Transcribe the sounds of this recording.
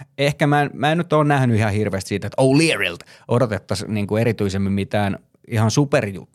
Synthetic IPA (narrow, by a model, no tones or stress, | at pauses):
ehkæmænmæennyt̪oːnnæhnyihɑhirʋeːst̪siːt̪et̪oulierilt̪ʔodot̪et̪ːɑsniːŋkueɾit̪yisemːimmit̪æːn | ihɑnsuperjṵt̪ːu̥